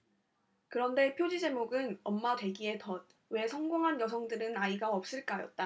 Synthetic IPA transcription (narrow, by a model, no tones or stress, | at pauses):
kɯɾʌnde̞pʰjod͡ʑid͡ʑe̞moɡɯnʌmːatwe̞ɡie̞tʌd̚ | we̞sʰʌŋɡoŋɦanjʌs̬ʰʌŋdɯɾɯnaiɡaʌp̚s͈ɯɭk͈ajʌ̰t̚t͈a